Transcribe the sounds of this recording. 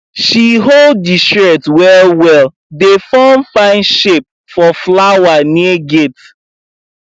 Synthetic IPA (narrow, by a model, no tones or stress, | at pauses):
ʃiɦoldːistɹɛtwɛlwɛl | defɔmfãɪ̃nʃep̚ | fɔflawaniəɡet